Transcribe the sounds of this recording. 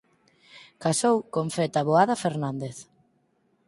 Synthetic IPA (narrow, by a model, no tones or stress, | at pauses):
kasowkoɱfɛt̪aβoaðafeɾnand̪eθ